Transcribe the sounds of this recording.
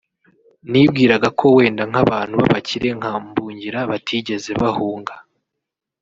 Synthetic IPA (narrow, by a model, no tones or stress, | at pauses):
nib̚ɡiːɾaɡakʰo̞we̞ːndaŋ̥aβaːn̥huβaβaciɾe̞ŋ̥ambuːɲɟiɾaβatʰiɟe̞ze̞βahuːŋɡa